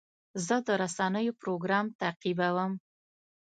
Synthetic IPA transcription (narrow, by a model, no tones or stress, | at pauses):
zəd̪əɾasanəjopɾoɡɾɑmt̪aqibawəm